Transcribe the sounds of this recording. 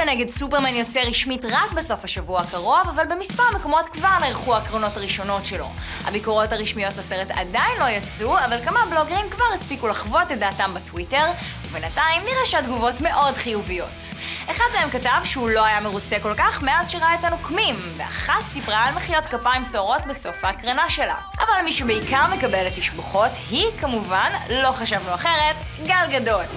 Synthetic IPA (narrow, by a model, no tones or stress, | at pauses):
beneɡedsupeʁmanjo̞t͡seʁiʃmitʁakbeso̞faʃavuakaʁo̞vavalbe̞mispaʁmeko̞mo̞tkvaʁneʁχuakʁono̞taʁiʃo̞no̞tʃe̞lo̞̰ | ha̰bikoʁo̞thaʁiʃmijo̞tlaseʁeta̰dajnlo̞jat͡suavalkamablo̞ɡeʁimkvaʁispikulaχvo̞tedaːtambetwite̞ʁ | ubenataimniʁeʃadɡuvo̞tme̞ʔo̞dχijuvijo̞t | eχadmeemkatavʃɛulo̞ajameʁut͡seko̞lkaχmeazʃiʁaetanokmimvea̰χatsipʁaːlmeχijotkapaimsoʁo̞tbeso̞fakʁanaʃe̞la̰ | ʔavalmiʃubeikaʁme̞kabeletiʃboχo̞thikamuvanlo̞χaʃavloaχeʁet | ɡalɡado̞t